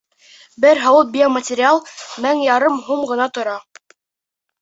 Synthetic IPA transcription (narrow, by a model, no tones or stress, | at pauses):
bɘɾɦɑwɤl̚bʲɪomətʲɪɾʲɪalˠmæŋjɑɾɤmɦumɢɤ̆nɑt̪ŏɾɑ